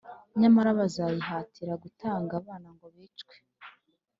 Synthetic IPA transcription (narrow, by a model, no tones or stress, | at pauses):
ɲamaɾaβazajiɦaːtiɾaɡutʰaːŋɡaːβaːnaŋɡo̞βiːt͡ʃkwe̥